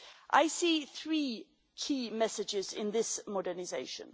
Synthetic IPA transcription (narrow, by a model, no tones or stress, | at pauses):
ʔa̰ɪsiːθɹiː | kʰiːmɛsɪd͡ʒɪzɪ̰̃nðɪsmɒdənɪzeɪʃə̰̃n